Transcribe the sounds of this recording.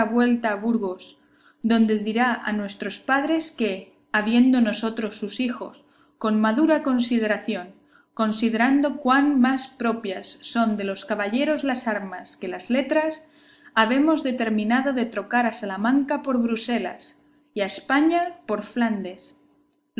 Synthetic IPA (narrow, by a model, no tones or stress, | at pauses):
aβwe̞lt̪aːβuɾɣ̞os | d̪o̞nd̪e̞ðiɾaa̰nwe̞st̪ɾo̞spað̞ɾe̞ske̞ | aβje̞nd̪o̞no̞so̞t̪ɾo̞sːusixo̞̰s | ko̞nmaðuɾako̞nsið̞e̞ɾaθjo̞ŋ | ko̞nsiðe̞ɾand̪o̞kwanmaspɾo̞pjasːo̞nd̪e̞lo̞skaβaʎe̞ɾo̞zlasaɾmaske̞lazle̞t̪ɾas | aβ̞e̞mo̞zðe̞t̪e̞ɾmĩnað̞o̞ðe̞t̪ɾo̞kaɾasalamãŋkapo̞ɾβɾuse̞la̰s | iaespaɲapo̞ɾfland̪e̞s